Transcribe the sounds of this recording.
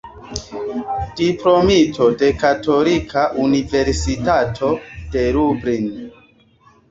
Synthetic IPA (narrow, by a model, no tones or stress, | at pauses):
d̥iplomitʰo̞de̞kato̞likʰaʔunive̞ɾsitatʰo̞d̥e̞ɾubɾin